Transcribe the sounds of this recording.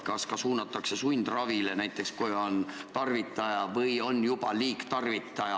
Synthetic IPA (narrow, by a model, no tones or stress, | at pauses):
kɑskɑsuːnɑt̪ːˑɑkse̞sujnd̪̥rɑvile̞næjt̪ːˑe̞kskujo̞nt̪ɑrvit̪ːˑɑjɑvɤjo̞njub̥ɑ̰liːkt̪ɑrvit̪ːˑɑjɑ